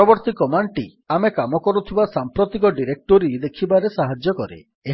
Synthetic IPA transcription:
ɔbɔɾt̪ikɔmaɳʈi | amekamɔkɔɾut̪ʰibasampɾot̪ikɔɖiɾek̚ʈoɾid̪ekʰibaɾesaɦad͡ʒjɔkɔɾḛ | e

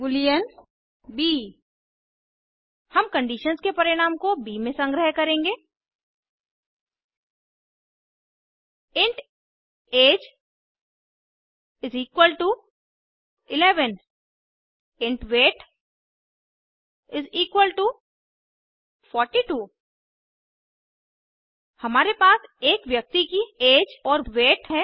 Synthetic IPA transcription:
bʊlijən | biː | hɐmkə̃ɳɖiːʃənskepɐɾɪɽ̃aːmkobiːmẽsə̃ŋɡɾəɦkɐɾẽːŋɡeː | ɪ̃ɳʈ | eːd͡ʒ | ɪziːkwəlʈu | ɪlɛːʋən | ɪ̃ɳʈʋeːʈ | ɪziːkwəlʈu | fʰɔːɾʈiʈuː | hɐmaːɾepaːseːkʋjɐk̚t̪ikieːd͡ʒɔːɾʋeːʈɦɛ

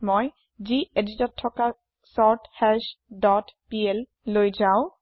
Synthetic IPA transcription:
moj | zieditɔtʰːɔka | sɔɹthɛsdɔtpiel | lojzaʊ̃

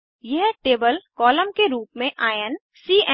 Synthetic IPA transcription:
jɐɦʈeːbəlkɔːlə̃mkeɾuːpmẽʔaːjən | siːʔɛ

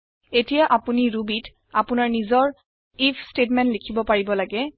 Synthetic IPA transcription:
etijaʔapuniɹubit | apʊnaɹnizɔɹ | ipʰstetmɛntlikʰibɔpaɹibɔlaɡɛ

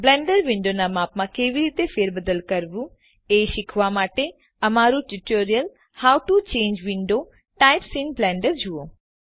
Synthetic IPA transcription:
blɛ̃ːɳɖəɾʋɪ̃ɳɖonamaːpmãkeːʋiɾiːt̪efeːɾbəd̪əlkəɾʋũ | eːʃɪkʰʋamaːʈe | ɐmaːɾũʈuʈoːɾijəl | haːwʈut͡ʃẽːɲd͡ʒʋɪ̃ɳɖo | ʈaːɪpsɪ̃nblɛ̃ːɳɖəɾd͡ʒʱuo

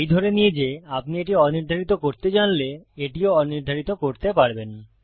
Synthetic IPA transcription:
ejd̪ʱɔɾenijed͡ʑeap̚nieʈiɔniɾd̪ʱaɾit̪okoɾt̪ed͡ʑanleeʈioɔniɾd̪ʱaɾit̪okoɾt̪epaɾben

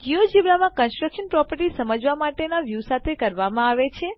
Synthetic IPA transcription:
ɡijod͡ʒiʋɭamãkənsʈɾəkʃənpɾɔpəɾʈisəməd͡ʒʋamaʈenaʋjusat̪ʰekəɾʋamãaʋet͡ʃʰe

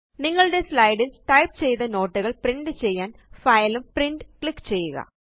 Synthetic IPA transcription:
niŋːɐɭɨɽe̞slɐjɽilʈɐjpt͡ɕe̞jt̪ɐno̞ːʈːuɣɐɭpriɳɖɨt͡ɕe̞jːaːnfɐjlumpriɳɖɨkɭikːt͡ɕe̞jːuɣɐ̰

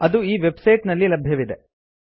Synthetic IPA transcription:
ɐd̪uiːʋe̞bsɐjʈnɐlːilɐbʱjɐʋid̪e

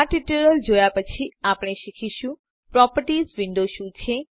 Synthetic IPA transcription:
aʈiʈuɾəld͡ʒojapət͡ʃʰiapɽ̃eʃikʰiʃũ | pɾɔpəɾʈizʋɪ̃nɖ̪oʃũt͡ʃʰe

